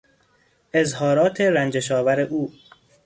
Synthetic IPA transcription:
ʔezɦɒːɾɒːt̪ʰeɾænd͡ʒeʃɒːvæɾeʔuː

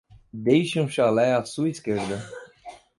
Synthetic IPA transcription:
d̪ejʃɪũʃalɛasuɐiskeɾd̪ɐ

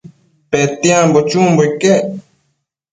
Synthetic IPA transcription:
pet̪iãmbot͡ʃũːmboike

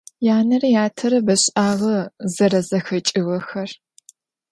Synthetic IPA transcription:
jaːnɐrjaːtʰɐɾɐbɐɕʼaːʁɐzɐɾɐzɐxɐt͡ʃʼɪwɐxɐr

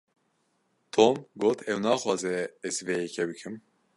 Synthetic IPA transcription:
t̪ʰoːmɡoːt̪ʰɛwnɑːxwɑːzɛɛzvɛjɛkʰɛbɨkʰɨm

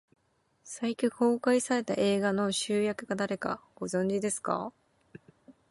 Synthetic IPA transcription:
saikʲiho̞ːkaisaɾe̞t̪a̰ʔe̞ːɡano̞ɕɨːjakɯ̟ɡad̪aɾe̞ka̰ɡ̥o̞zõ̞ɲ̟d͡ʑid̪e̞sɨ̥ka̰

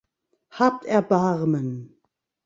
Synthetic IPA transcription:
haːp̚tɛɐbaʁmən

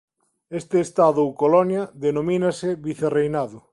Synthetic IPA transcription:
est̪ɪːst̪aðʊukolɔnjɐðenominɐseβiθerejnaðʊ

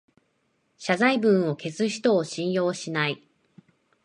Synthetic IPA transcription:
ɕazaibɯ̟̃ɰ̃o̞ke̞t͡sɨçʲi̥t̪o̞ːɕĩɰ̃jo̞ːɕinai

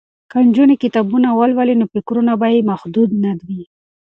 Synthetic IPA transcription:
kand͡ʒunekɪt̪abunawalwalinofɪkɾunabajemaxd̪ud̪nad̪wi

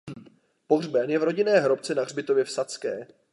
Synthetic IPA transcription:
po̞ɦr̝bɛnjɛvɾo̞ɟɪnɛːɦɾo̞pt͡sɛnaɣrbɪt̪ovjɛfsat͡skɛː

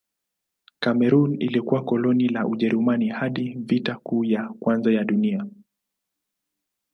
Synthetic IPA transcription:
kamɛɾunḭlikuwakɔlɔnilaʔuʄɛɾumanihaɗivitakuːjakwanzajaɗunia

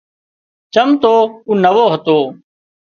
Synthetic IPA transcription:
t͡ʃəmt̪oːuːnəʋoːɦət̪oː

